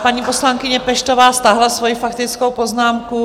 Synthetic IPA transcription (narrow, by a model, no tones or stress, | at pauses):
paɲiːpo̞slaŋkɪɲɛpɛʃt̪o̞vaːst̪aɦlasvo̞jifakt̪ɪt͡sko̞wpo̞znaːmku